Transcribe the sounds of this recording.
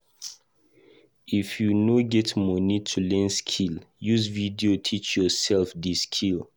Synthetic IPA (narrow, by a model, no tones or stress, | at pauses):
ifjunoɡɛtmɔnitʰulɛ̃nskʰiljuzvidiotʰit͡ʃjɔsɛlfdiskʰil